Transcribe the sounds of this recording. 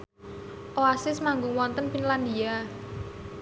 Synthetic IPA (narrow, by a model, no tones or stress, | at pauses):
ʔoasɪsmaŋɡʊŋwɔnt̪ənfinland̪ia